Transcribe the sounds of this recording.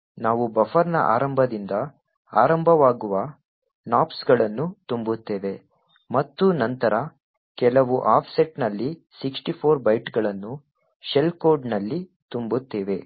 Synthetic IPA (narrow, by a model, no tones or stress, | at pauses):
naːʋubɐfɐɾnɐ̰ʔa̰ːɾɐmbʱɐd̪ind̪ɐ | aːɾɐmbʱɐʋaːɡuʋɐ | naːpsɡɐɭɐnːut̪umbut̪ːeːʋe̞ | mɐt̪ːunɐnt̪ɐɾʔɐ | kɛlɐʋuʔaːpʰseʈnɐlːi | siksʈipʰoːɾbɐjʈɡɐɭɐnːu | ʃelkoːɾɖnɐlːit̪umbut̪ːeːʋe̞